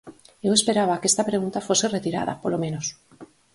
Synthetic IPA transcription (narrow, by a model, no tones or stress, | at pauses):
ewe̞speɾaβ̞akest̪apɾeɣunt̪afoseret̪iɾa̰ða̰polomẽnos